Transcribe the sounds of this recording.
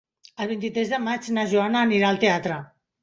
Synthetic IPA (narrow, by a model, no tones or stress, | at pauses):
əlˠβint̪it̪ɾɛzðəmad͡ʒnaʒuanaːniɾaəlˠt̪eat̪ɾə